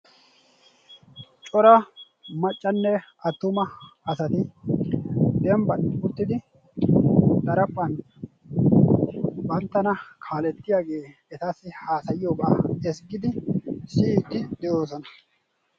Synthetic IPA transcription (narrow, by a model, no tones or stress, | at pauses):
t͡ʃʼɔɾɐ | mɐt͡ʃʼːɐnːɛɐt̪ːʊmɐɐsɐt̪ɪ | d̪ɛmbɐnʊt̪ːɪd̪ɪ | d̪ɐɾɐpʼːɐn | bɐnt̪ːɐnɐkʰaːlɛt̪ːɪjaːɡe̞ː | ɛt̪asːɪhaːsɐjɪjoːba̰ːɛsɡɪd̪ɪsiːt̪ːɪd̪ɛjo̞ːsɔnɐ